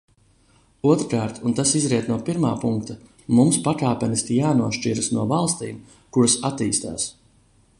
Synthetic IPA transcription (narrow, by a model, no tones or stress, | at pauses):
uɔt̪ɾkaːɾt̪unt̪asizɾiɛt̪nuɔpiɾmaːpuŋkt̪a | mumspakaːpʲɛnist̪ijaːnuɔʃt͡ʃiɾasnuɔvalˠst̪iːm | kuɾasat̪iːst̪a̰ːs